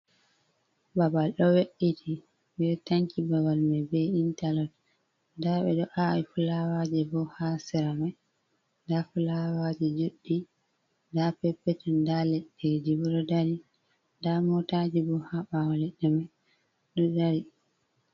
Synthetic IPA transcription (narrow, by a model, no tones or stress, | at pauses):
babalɗɔweɗːitʰi | bɛtaŋkibabalmabɛintalɔt | daɓɛɗɔʔaifulawad͡ʒɛbɔhasɛɾamaj | dafulawad͡ʒɛd͡ʒoɗːi | dapɛpːɛtɛndalɛɗiɾd͡ʒibɔɗɔdaɾi | damɔtad͡ʒɛbɔhaɓawalɛɗːɛmaj | ɗɔdaɾi